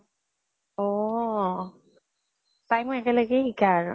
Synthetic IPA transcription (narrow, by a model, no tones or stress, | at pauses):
ɔ | tajmɔɛkɛləɡɛikaɹ